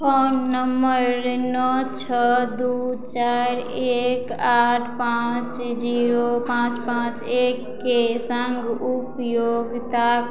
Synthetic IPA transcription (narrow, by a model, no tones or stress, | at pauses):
fonːəməɾnɔt͡ʃʰəd̪ut͡ʃaɾekaʈʰpãt͡ʃd͡ʒiɾopãt͡ʃpãt͡ʃekːesəŋɡupjoɡt̪a